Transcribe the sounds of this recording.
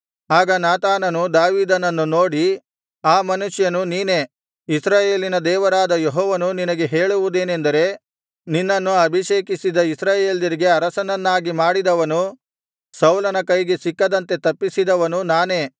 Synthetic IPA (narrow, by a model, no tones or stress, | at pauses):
aːɡɐnaːt̪aːnɐnud̪aːʋiːd̪ɐnɐnːuno̞ːɽi | aːmɐnuʂjɐnuniːne̞ | isɾaːje̞ːlinɐd̪ɛːʋɐɾaːd̪ɐjeɦɔːʋɐnuninɐɡe̞ɦe̞ːɭuʋud̪e̞ːnend̪ɐɾe̞ | ninːɐnːuɐbʱiʃeːkisid̪ɐisɾaːjeːlɐɾiɡe̞ɐɾɐsɐnɐnːaːɡimaːɽid̪ɐʋɐnu | sɐwlɐnɐkɐjɡesikːɐd̪ɐnt̪e̞t̪ɐpːisid̪ɐʋɐnunaːne̞ː